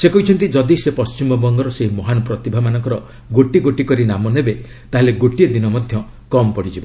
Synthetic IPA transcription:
sekɔɦit͡ʃʰɔnt̪id͡ʒɔd̪isepɔst͡ʃimɔbɔŋɡɔɾɔseɦimɔɦanɔpɾɔt̪ibʱamanɔŋkɔɾɔ | ɡoʈiɡoʈikɔɾinamɔnebe | t̪aɦeleɡoʈied̪inɔmɔd̪ʱjɔ | kɔmɔpɔɽid͡ʒibɔ

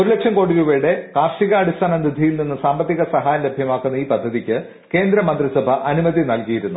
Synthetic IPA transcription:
o̞ɾule̞kʂɐmko̞ːɽiʋuʋɐjuɽe̞kaːrʂiɣɐɐɽist̪ʰaːnɐmɾid̪ʱijilninːɨsaːmbɐt̪ːiɣɐsɐɦaːjɐle̞bʱjɐmaːkːunːɐiːpɐd̪ʱːɐðikʲːɨ | ke̞ːnd̪ɾɐmɐnd̪risɐbʱɐʔɐnumɐðinɐlkijiɾunːu

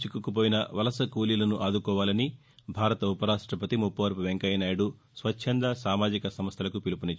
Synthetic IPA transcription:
t͡ʃikːukup̬oːjinɐʋɐlɐsɐkuːlilɐnuʔaːd̪ukɔːʋaːlɐni | bʱaːɾɐt̪ɐupɐɾaːʂʈɾɐpɐt̪imupːɐʋɐɾpuʋeŋkɐjɐnaːjɐɽu | sʋɐtːʃʰɐnd̪ɐsaːmaːd͡ʒikɐsɐmɐst̪ʰɐlɐkupilupuni

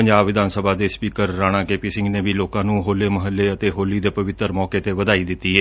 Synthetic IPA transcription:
əɲd͡ʒaːbʋɪd̪ʱaːnsəbʱaːd̪eːspiːkəɾːaːɽ̃aːkeːpiːsɪ̃ŋɡneːʋiːloːkãːnũːɦoːleːməɦəlːeːət̪eːɦoːliːd̪eːpəʋɪt̪əɾmɔːkeːt̪eːʋəd̪aːiːd̪ɪt̪ːiːɛː

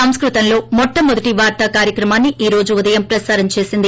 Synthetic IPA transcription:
ɐmskɾut̪ɐnlo̞ːmɔʈːɐmud̪ɐʈiʋaːɾt̪aːkaːɾjɐkɾɐmaːnːiʔiːɾo̞ːd͡ʒuud̪ɐjɐmpɾɐsaːɾɐmt͡ʃe̞ːsind̪i

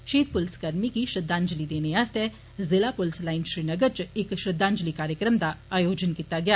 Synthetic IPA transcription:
ʃiːd̪̚pʊlskəɾmikiʃɾəd̪ãːɲd͡ʒlid̪eːneaːst̪ɛ | zɪlapʊlslaːɪnʃɾiːnəɡəɾt͡ʃɪkʃɾəd̪ːãːɲd͡ʒlikaːɾjəkɾəmd̪aaːjoːd͡ʒənkit̪aɡɪjaː

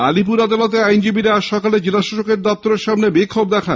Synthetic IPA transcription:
a̰lip̬uɾad̪alot̪̬eajnd͡ʑibiɾaʃɔkaled͡ʑilaʃaʃokeɾd̪ɔp̚t̪oɾeɾʃamnebikʰːobd̪ɛkʰan

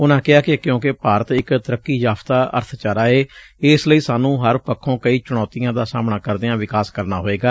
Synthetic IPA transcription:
ʊnãːkɪɦaːkɪkjõːkɪpaːɾət̪ɪkt̪əɾəkːiːjaːpt̪aːʔə̰ɾt̪ʰt͡ʃaːɾaːeːɪsləiːsaːnũːɦəɾpəkʰːõːkəiːt͡ʃʊɽ̃ɔːt̪ɪjãːd̪aːsaːmɳaːkəɾd̪eãːʋɪkaːskəɾnaːɦoːeːɡaː

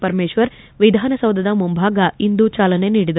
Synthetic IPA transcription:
pɐɾmeːʃʋɐɾ | ʋid̪ʱaːnɐsɐwd̪ʱɐd̪ɐmumbʱaːɡɐind̪ut͡ʃaːlɐne̞niːɽid̪ɐ

